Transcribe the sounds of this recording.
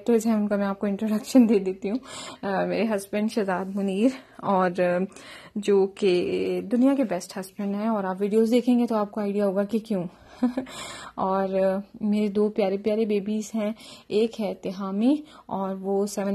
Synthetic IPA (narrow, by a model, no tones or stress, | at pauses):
ʈəzɦɛ̃ʊnkamɛ̃aːp̚koɪ̃ɳʈɾoːɖɐkʃənd̪eːd̪eːt̪iɦũːmeːɾeɦɐzbə̃ɳɖʃɐzaːd̪mʊniːɾ | ɔːɾ | d͡ʒoːked̪ʊnijakebɛsʈhɐzbə̃ɳɖɦɛ̃ɔːɾaːpʋiːɖijozd̪eːkʰẽːŋɡet̪oaːp̚koaːɪɖijaɦoːɡakikjũː | ɔːɾmeːɾed̪oːpjaːɾepjaːɾebeːbizɦɛ̃eːkɦɛt̪ɪɦaːmiɔːɾʋosɛʋə̃n